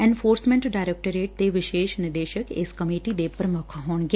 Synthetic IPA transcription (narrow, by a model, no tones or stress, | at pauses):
ẽnfoːɾsmɛ̃ɳʈɖaːɪɾek̚ʈəɾeːʈ̚t̪eʋɪʃeːʃnɪd̪eːʃəkḛːskəmiːʈid̪eːpəɾmɔkʰaɦoːnɡ